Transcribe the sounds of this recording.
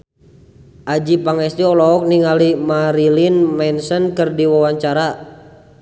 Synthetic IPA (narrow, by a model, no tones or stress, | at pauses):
ʔad͡ʒipaŋɛst̪iɔlɔɔk̚niŋalimaɾilinmɛnsənkərdiwawaɲt͡ʃaɾa